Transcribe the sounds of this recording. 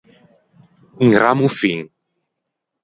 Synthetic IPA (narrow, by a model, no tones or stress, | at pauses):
iŋɾamufiŋ